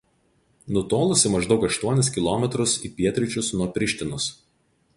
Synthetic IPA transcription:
nʊt̪oːlˠʊsʲɪmɐʒd̪ɒʊkɐʃt̪uɔnʲɪs̬kʲɪlˠɔmʲɛt̪ɾʊsiːpʲiɛt̪ʲɾʲɪt͡ʃʲʊsnuɔpʲɾʲɪʃʲt̪ʲɪnʊs

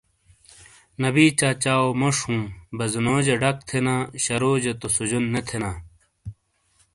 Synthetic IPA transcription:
nɐbiːt͡ɕaːt͡ɕaːomoʂhũːbɐzunoːd͡ʑeɖɐkt̪ʰenaːɕɐɾoːd͡ʑet̪osud͡ʑunːet̪ʰenaː

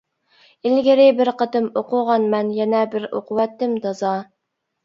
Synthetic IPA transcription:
ɪlɡʲɪɾɪbɪɾqət̪ɨmoqʊʁɑnmɛnjɛnɛbɪɾo̰qʊwɛt̪ːɪmd̪ɑzɑ

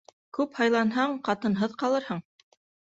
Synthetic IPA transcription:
kʉphɑjlˠɑnɦɑɴqɑt̪ɤ̆nɦɤðqɑlˠɤɾhɤɴ

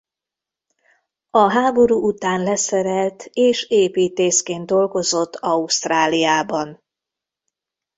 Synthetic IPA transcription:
ɒɦaːbo̞ɾuːʔut̪aːnlɛsɛɾɛlt̪eːʃeːpiːt̪eːskeːnd̪̚d̪o̞lɡo̞zo̞t̪ːɒuʃt̪raːlijaːbɒn

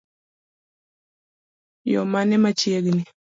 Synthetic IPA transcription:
jomanɛmat͡ʃieɡni

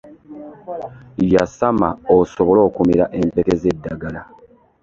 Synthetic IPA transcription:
jasamaosoβo̞lo̞ːkumiɾaʔe̞mpe̞ke̞ze̞dːaɡala

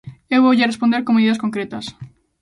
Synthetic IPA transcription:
ewβowʎarespond̪eɾkoŋmeðiðɐs̬koŋkɾet̪ɐs

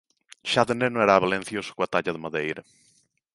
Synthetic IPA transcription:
ʃaðenenõeɾaːβalẽn̟θjosʊ̥kwat̪aʎɐðemaðejɾɐ

